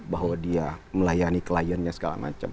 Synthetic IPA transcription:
baɦwadiaməlajanikəlajənɲasə̥ka̰la̰ma̰t͡ʃa̰m

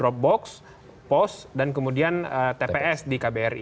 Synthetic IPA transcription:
ɾɔp̚bɔks | pɔsdankəmudianət̪epeɛsdikabeɛrḭ

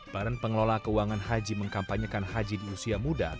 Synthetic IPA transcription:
b̥aɾanpəŋəlolakəuwaŋanɦad͡ʒiməŋkampaɲəkanɦad͡ʒidiusiamuda

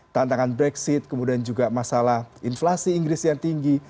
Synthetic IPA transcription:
t̪ant̪aŋanbɾɛksɪt̪̚kəmudiand͡ʒuɡamasalahinflasiːŋɡɾɪsjaŋt̪iŋɡi

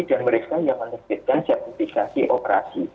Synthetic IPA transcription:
danməɾekajaŋmənəbɪt̪̚kansɛrt̪ifikasiʔopəɾa̰sḭ

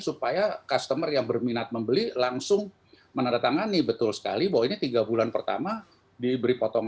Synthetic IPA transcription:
supajakast̪əmərjaŋbərminat̪̚məmbəlilaŋsʊŋ | mənandat̪aŋanːɪhbət̪ʊlsə̥ka̰libawainit̪iɡabulanpərt̪a̰ma | dibəɾipɔt̪ɔŋ

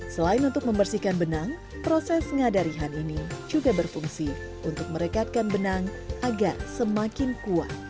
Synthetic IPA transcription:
səlaɪnunt̪ʊk̚məmbərsikanbənaŋ | pɾosɛsŋadaɾiɦaninid͡ʒuɡabərfuŋsi | unt̪ʊk̚məɾəkat̪̚kanbənaŋaɡarsəmakɪnkua̰t̪̚

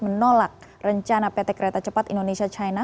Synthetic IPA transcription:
mənolak̚ | rəɲt͡ʃanapet̪ekəɾet̪at͡ʃəpat̪indonesiat͡ʃaina

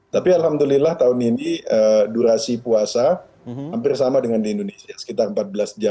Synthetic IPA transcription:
t̪apialɦamd̪ulilaht̪aʊniniəduɾasipuasa | hampɪrsamadəŋandiːndonesiasə̥kit̪arəmpat̪̚bəlasd͡ʒa

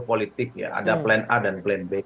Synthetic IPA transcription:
polit̪ɪk̚ja̰a̰daplɛnadanplɛnbe

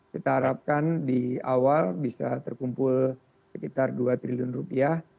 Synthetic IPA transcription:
kit̪aɦaɾap̚kandiawalbisat̪ərkumpʊl | səkit̪arduat̪ɾiliʊnrupiah

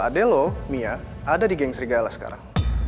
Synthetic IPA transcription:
adɛlomiaadadiɡɛŋsəɾiɡaalahsə̥ka̰ɾa̰ŋ

